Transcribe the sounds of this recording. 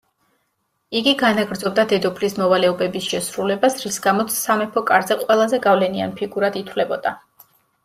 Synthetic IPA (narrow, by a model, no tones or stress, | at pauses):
iɡiɡanaɡɾd̪zɔb̚d̪ad̪ɛd̪ɔpʰlismɔvalɛɔbɛbisʃɛsɾulɛbasɾisɡamɔt̪sʰsamɛpʰɔkʼaɾzɛqʼwɛlˠazɛɡavlɛnia̰npʰiɡuɾad̪it̪ʰwlɛbɔd̪̥a